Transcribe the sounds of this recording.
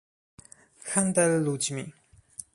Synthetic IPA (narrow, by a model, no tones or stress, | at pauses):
xand̪ɛlːud͡ʑmi